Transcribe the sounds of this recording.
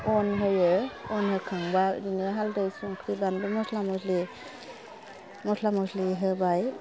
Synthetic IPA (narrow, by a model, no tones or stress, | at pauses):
ɔnɦɯjɯɔnhɯkʰaŋba̰dineɦaldajsuŋkʰɾibanbɯmɔslamɔsli | mɔslamɔwsliɦɯbaj